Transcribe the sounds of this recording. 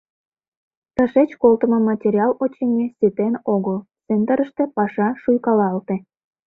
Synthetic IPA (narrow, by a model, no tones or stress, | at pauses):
t̪əʃet͡ɕkolt̪ə̆mŏmɑtʲeɾʲiɑlot͡ɕemʲesʲet̪enoɣəl | send̪əɾəʃt̪ĕpɑʃɑʃujkɑlɑlt̪ĕ